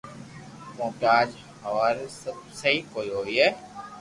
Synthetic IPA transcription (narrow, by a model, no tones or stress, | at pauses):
kõːpjaːd͡ʒ | həʋaːɾsəb̚səɦiːkoːiːɦoːiːɦeː